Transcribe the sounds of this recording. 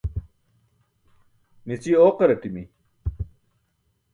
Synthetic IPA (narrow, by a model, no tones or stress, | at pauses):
nit͡sioːqɐɾɐʈimi